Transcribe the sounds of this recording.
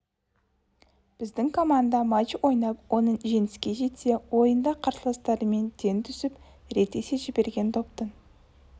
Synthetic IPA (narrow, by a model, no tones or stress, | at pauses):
b̥ɪzd̪ɪŋkʰo̞mand̪ɑmɑt͡ʃwo̞jnɑpwʔo̞nəɴʒe̞nɪskʲe̞ʒe̞t̪se̞wo̞jənd̪ɑqʰɑɾsəlˠɑst̪ɑɾəme̞nd̪ʰe̞nt̪ʰʏsɪp | ɾet̪ːe̞seʒɪbe̞ɾɡʲe̞nt̪ʰopt̪ən